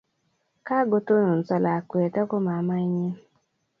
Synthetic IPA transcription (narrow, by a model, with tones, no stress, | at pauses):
ka˦ɡo˦to˦no˨n̩˨t͡sa˨la˨ke˨ta˦ko˦ma˨ma˦i˦ɲe˦